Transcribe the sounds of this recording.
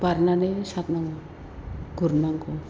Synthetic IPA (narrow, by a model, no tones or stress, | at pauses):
paɾnanesat̪naŋ | ɡuɾnaŋko